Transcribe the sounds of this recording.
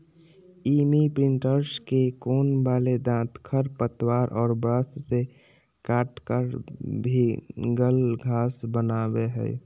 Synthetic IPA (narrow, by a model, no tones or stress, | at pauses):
imipɾɪ̃ɳʈəɾskekoːnbaːled̪ãːt̪kʰəɾpət̪waːɾʔɔːɾbɾast̪se | kaːʈkəɾbʱiɡəlɡʱaːsbənaːbeɦɛ̰ː